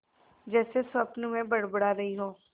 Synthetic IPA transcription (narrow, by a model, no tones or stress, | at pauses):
d͡ʒɛːsesʋɐpnumẽbɐɽbəɽaɾɐɦiɦoː